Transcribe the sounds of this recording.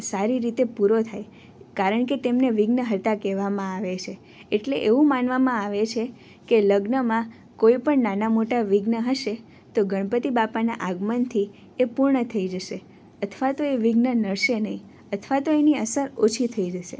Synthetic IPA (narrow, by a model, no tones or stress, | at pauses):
saɾiɾit̪epuɾot̪ʰaj | kaɾəɳk̬et̪emneʋiɡnəɦəɾt̪akɛʋamãaʋet͡ʃʰe | eʈleʔeʋũmanʋamãaʋet͡ʃʰe | keləɡnəmã | koipəɳnanamoʈaʋiɡnəɦəʃe | t̪oɡəɳ̃pət̪ibapanaʔaɡmənt̪ʰi | epuɾɳət̪ʰəid͡ʒəʃe | ət̪ʰʋat̪oeʋiɡnənəɭʃenəɦĩ | ət̪ʰʋat̪oeniəsəɾot͡ʃʰit̪ʰəid͡ʒəʃḛ